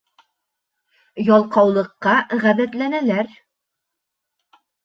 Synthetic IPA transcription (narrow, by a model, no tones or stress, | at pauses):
jɑlˠqɑwlˠɤ̆qːɑʁæðæt̪lænælæɾ